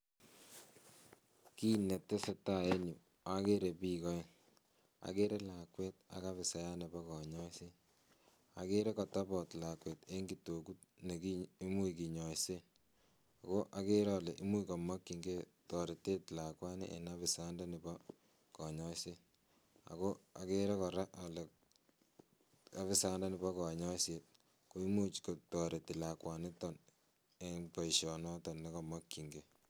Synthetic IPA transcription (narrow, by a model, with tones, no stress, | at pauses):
ki˦nɛ˨tːe˦se˦ta˨e˦nu˨ | a˨ke˦ɾe˨pi˦kɔ˦ | a̰˨ke˦ɾe˦la˨kwe˦t̚a̰˨ka˦βɪ˨sa˦ja˦nɛ˨bɔ˦kɔ˨ɲɔ˦se˦ | a̰˨ke˦ɾe˦kɔ˨ta˦bɔ˨tla˨kwe˨te˦ŋɡi˨to˨ku˦t̚ne˨kii˦mu˦ki˨ɲɔ˨jse˦˨ | ko˦ʔa˦ke˦ɾɔ˨le˨ʔi˦mu˦kɔ˨ma˦kːi˨ŋɡe˦ | tɔ˨ɾe˨te˦tɪ˨la˨kwa˦nḛ˦ʔḛ˨na˦βɪ˨sa˦nda˦ni˨bɔ˦ | kɔ˨ɲɔ˦se˦ | a̰˨ko˦a̰˨ke˦ɾɛ˦kɔ˨ɾa˦ʔɔ˨lɛ˨ | a˨βɪ˦sa˦nda˦ni˨bɔ˦kɔ˨ɲɔ˦set̚ | ko˦i˦mu˦t͡ʃko˨tɔ˨ɾe˨tɪ˨la˨kwa˨netɔ˨n | eŋpɔ˨i˨ʃɔ˨nɔ˦tɔ˨nːe˦kɔ˨ma˦kːi˨ŋɡe˨